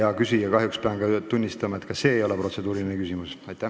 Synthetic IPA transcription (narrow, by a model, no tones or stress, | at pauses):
ɑkysijɑkɑɦjukspeɑnɡɑt̪unʲːist̪ɑmɑe̞t̪kɑse̞ːjo̞le̞pro̞t̪se̞d̪uːɾilinekysʲimusɑjt̪ːˑæ